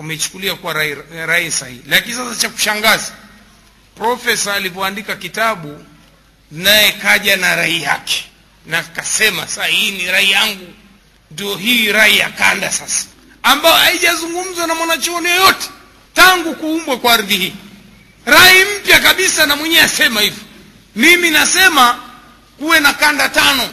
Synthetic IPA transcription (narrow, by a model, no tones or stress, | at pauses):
wamɛit͡ʃu̥kuliakuwaɾaiɾahinsahihilakinisasat͡ʃaku̥ʃaŋɡaza | pɾɔfɛsaːlivɔandikakitaɓu | najɛkaʄanaɾahija̰kɛ̥ | nakasɛmasashiniɾahijaŋɡu | ndiɔɦiːɾahija̰kandasasḁ | ambajɔhaiʄazuŋɡum̩zanamwanat͡ʃuɔnijɔjɔtɛ̥ | taŋɡukuumbwɛkwaaɾðihiː | ɾahim̩pjakaɓisanamwɛɲɛasɛmahivɔ | miminasɛma | kuwɛnakandatanɔ